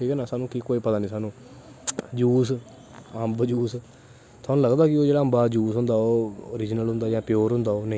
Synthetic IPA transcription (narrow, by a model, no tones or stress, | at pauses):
ʈʰiːkɛnaːsaːnũːkikoːiːpət̪aːnĩːsaːnũː | d͡ʒuːs | əmbd͡ʒuːs | t̪ʰoaːnũːləɡd̪aːkɪoːd͡ʒeːɽaːəmbaːd͡ʒuːsɦʊ̃nd̪aːoːoːɾɪd͡ʒnəlɦʊ̃nd̪aːjãːpjoːɾɦʊ̃nd̪aːoːneĩː